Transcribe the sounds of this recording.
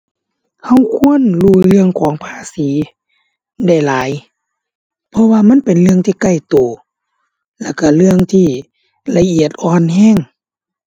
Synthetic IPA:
ha˧˩˨wkʰu˧˥˨ə˨nluː˧˩lɯ˧əŋkʰɔː˨˦ŋpʰaː˧˩˨siː˨˦ | da˧˩jlaː˨˦j | pʰɔ˧waː˧ma˧˥˨npe˨nlɯ˧əŋt̪ʰiː˧˩ka˧˩˨jt̪oː˨˩ | lɛ˧˩wka˧˩lɯ˧əŋt̪ʰiː˧˩ | la˧ʔi˨˩ət̪̚ʔɔː˧˩nhɛː˧˥˨ŋ

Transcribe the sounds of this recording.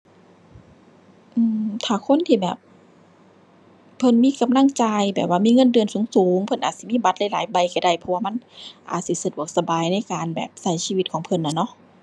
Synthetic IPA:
ʔɯː˧˩t̪ʰaː˨˩kʰo˧˥˨nt̪ʰiː˧˩bɛː˨˩p̚ | ɤ˧˨nmiː˧˥˨ka˧mla˧˥˨ŋt͡ɕaː˧jbɛː˨˩p̚waː˧˨miː˧˥˨ŋɤ˧˥˨ndɯ˧ənsuː˨˦ŋsuː˨˦ŋpʰɤ˧˨nʔaː˨˩t̪̚si˧˦miː˧˥˨ba˧˥t̪̚la˧˥jlaː˨˦jba˧˩jka˧˩jda˧˩jpʰɔ˧waː˧˨ma˧˥nʔa̰ː˨˩t̪̚si˧˦sa˧du˧˩ək̚sa˧baː˨jna˧˥˨jkaː˨nbɛ̰ː˨˩p̚sa˧˩jsiː˧˨i˧˦t̪̚kʰɔː˨˦ŋpʰɤ˧˥˨nːa˧˩nɔ˧˥ʔ

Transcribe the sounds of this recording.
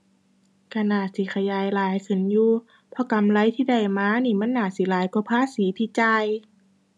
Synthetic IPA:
ka˧˩naː˧˩si˧˦xʰa˧jaː˨˦jlaː˨˦jkʰɯ˧˦njuː˧ | pʰɔ˧˦ka˨mla˧˥jt̪ʰiː˧˨da˧˩jmaː˧˨niː˧˩ma˧˥˨nːaː˧˩t̪̚si˨˦laː˨˦jku˧pʰaː˧˥˨siː˨˦t̪ʰiː˧˨t͡ɕaː˧j

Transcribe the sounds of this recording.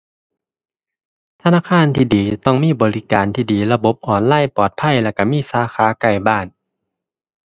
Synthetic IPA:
t̪ʰa˧naː˧˥˨kʰaː˧˥˨nt̪ʰiː˧˩diː˨˦t̪ɔ˧˩ŋmiː˧˥˨bɔː˨˩li˦˧ka̰ː˨˩nt̪ʰiː˧˩diː˨˩la˧bo˧˦p̚ʔɔː˨˩nlaː˧˥˨jpɔː˨˩t̪̚pʰa˧˥˨jlɛ˧˩ka˧˩miː˧˥˨saː˨˧˦xʰaː˨˦ka˧˩jbaː˧˥˩n

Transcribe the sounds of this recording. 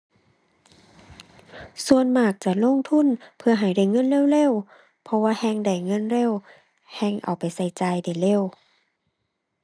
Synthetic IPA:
su˧ənmaː˧˩k̚t͡ɕa˧˩lo˧˨ŋt̪ʰu˧˥˨npʰɯ˧ɐɦa˨˩jda˧˩jŋɤ˧˥˨nleː˧˥˨wle˧˥˨w | pʰɔ˧waː˧˥˧hɛː˧˥˨ŋda˧˨˩jŋɤ˧˥˨nle˧˥˨w | hɛː˧˩˨ŋʔa̰˨˩wpa˨jsa˧˩jt͡ɕaː˧˩jda˨˩jle˧˨w

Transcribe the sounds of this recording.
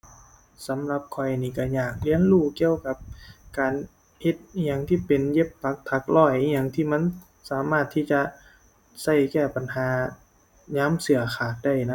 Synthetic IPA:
sa˨˦mla˧p̚kʰɔ˧˩jniː˧˩ka˧˩ɲaː˨˩k̚li˧˥ə˨nluː˧˩ki˧əwka˧p̚kaː˨n | he˧˦t̪̚ɲa˧˩ŋt̪ʰiː˧˩pe˨nje˧˥p̚pʰa˧˥k̚t̪ʰa˧˦k̚lɔː˧˩jɲa˧˩ŋt̪ʰiː˧˥˩ma˧˥˨n | saː˨˦maː˧˩t̪ʰːiː˧˩t͡ɕa˧ | sa˧˩jkɛː˧˩pa˨˩nɦaː˨˦ | ɲaː˦˥˨msɯ˨˩˦ɐxʰaː˨˩t̪̚da˧˩jna˧

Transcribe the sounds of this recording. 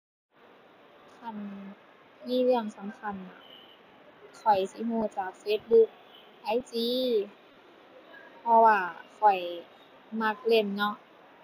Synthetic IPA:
kʰa˧˥˩n | miː˧˥˨lɯ˧˩əŋsa˨˦mkʰa˧˩˨nːa˧˩ | kʰɔ˨˩jsi˧˦ɦuː˧˩t͡ɕaː˨˩k̚feː˦˥t̪̚bu˧˥k̚ | ʔa˧˩jt͡ɕiː˧˥ | pʰɔ˧waː˧˩kʰɔ˨˩j | ma˧˩k̚le˧˩mnɔ˧˥ʔ

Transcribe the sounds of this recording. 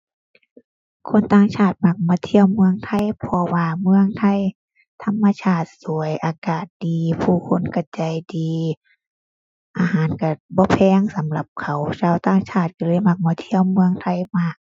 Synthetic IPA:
kʰo˧˥˨nt̪aː˧˩ŋt͡ɕʰaː˧˩t̪̚ma˧k̚mɔː˧˦t̪ʰi˧˨əwmɯ˧əŋt̪ʰa˧˥˨jpʰɔ˧waː˧mɯ˧əŋt̪ʰa˧˩˨j | t̪ʰa˧˥˨mːa˧t͡ɕʰaː˧˩t̪̚su˨˦əjʔaː˧kaː˨˩t̪̚diː˨pʰuː˧˩kʰo˧˥˨nka˧˩t͡ɕa˧˩jdiː˨ | ʔaː˧ɦaː˨˦nka˧˩bɔː˧˦pʰɛː˧˨ŋsa˨˦mla˧˦p̚kʰa˨˦wt͡ɕaː˧˨wt̪aː˧˩ŋt͡ɕʰaː˧˩t̪̚ka˧lɤː˧˥˨jma˧˩k̚mɔː˧˩t̪ʰi˧˨əwmɯ˧əŋt̪ʰa˧˩˨jma˧˩k̚

